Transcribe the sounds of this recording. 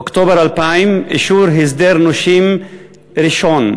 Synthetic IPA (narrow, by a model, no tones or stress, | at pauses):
kt̪oːbɑɾˤalpamʔɪʃuːɾɦɪzd̪eɾnʊʃiːm | ɾɪʃoːn